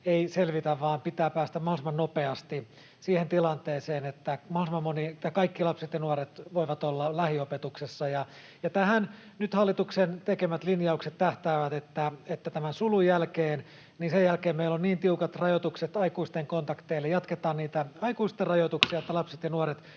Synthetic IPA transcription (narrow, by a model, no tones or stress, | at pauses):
eiselʋit̪æʋʋɑːmpit̪æːpæːst̪æmɑhlsimɑnopeɑst̪i | siːhent̪ilɑnt̪eːseːnet̪ːæmɑhɑlsimɑmːonit̪ːɑkɑikːilɑpset̪jɑnuoɾet̪ʋoiʋɑt̪olːɑlæhiopet̪uksesːɑjɑ | jɑt̪æhæn | nyt̪hɑlːit̪uksent̪ekemæt̪linjɑukset̪tæht̪æːʋæt̪et̪ːæet̪ːæt̪æmænsulujjælkeːn | niːnsejælkeːmmeilonniːnt̪iukɑt̪rɑjot̪ukset̪ɑikuist̪eŋkont̪ɑkt̪eilːejɑt̪ket̪ɑːnniːt̪æɑikuist̪errɑjot̪uksiɑet̪ːælɑpse̥t̪jɑnuoɾet̪